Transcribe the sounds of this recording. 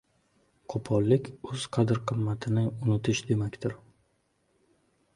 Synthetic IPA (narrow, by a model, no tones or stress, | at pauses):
qʰopʰɒlˠːɪkʲɵz̥qʰɑd̪ɪɾqʰɨmːat̪ʰɪnɪʊnɪt̪ʰɪʃd̪e̞makʲt̪ɪɾ